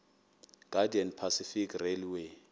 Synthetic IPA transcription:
ɡ̥adiɛnpʰasifikʰreliwe

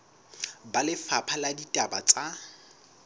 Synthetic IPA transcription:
balɪfapʰaladitʼabat͡sʼa

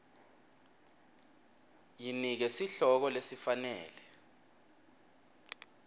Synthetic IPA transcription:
jinik̬ɛsiɬɔk̬ɔlesifanɛ̰ːlɛ

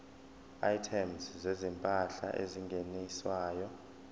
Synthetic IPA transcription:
ajtʰɛmszezimpʼaɬa̰ʔeziŋɡʱeniswaːjɔ

